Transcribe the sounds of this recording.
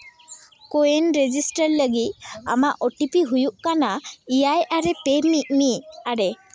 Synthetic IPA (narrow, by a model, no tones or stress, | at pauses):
koenɾed͡ʒisʈəɾləɡit̪̚a̰maʔɔʈipiɦujuʔkanaijajaɾɛpemiʔ̚miaɽɛ